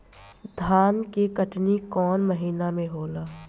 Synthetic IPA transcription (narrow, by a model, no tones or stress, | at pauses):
d̪ʱaːnkekəʈnikɔːnməɦiːnamẽɦoːlaː